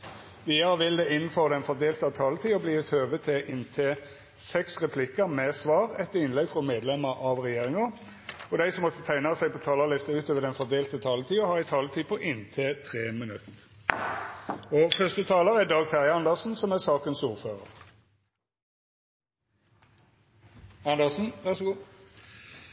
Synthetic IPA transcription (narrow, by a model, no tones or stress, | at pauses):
ʋiːəʁəʋɪld̪ɛːɪnn̩føːʁəd̪ɛnfɔʁd̪eːlt̪əɑt̪ʰɑːlət̪ʰiːɔbliːɛt̪ʰøːʋət̪ʰɛʔɪnt̪ʰeː | sɛksʁɛpʰlɪkəmeːsʋɑːʁɛt̪ːəɪnlɛɡfʁɔmeːd̪lɛməʁʔɑʋʁɛjeːʁɪŋɑ | ɔd̪æɪsɔmːɔt̪ːət̪ʰæɪnɑsæɪpʰɔt̪ʰɑːlɑʁlɪst̪əʉːt̪ʰøːʋəd̪ɛnfɔd̪eːlt̪ət̪ʰɑːlət̪ʰiːɔhɑːɪt̪ʰɑːlət̪ʰiːpʰɔʔɪnt̪ʰeːt̪ʰʁeːmənʉt̪ | ɔfœʁst̪ət̪ʰɑːləʁæd̪ɑːɡt̪ʰæʁjəɑnd̪əʁsn̩sɔmæsɑːkənsuːʁføːʁəʁ | ɑnd̪əsn̩ʋæʁs